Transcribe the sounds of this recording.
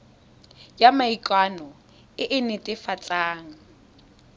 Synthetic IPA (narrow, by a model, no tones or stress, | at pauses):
jamaikʼwanɔ | ɪʔɪnɪtʼɪfat͡sʼaːŋ̩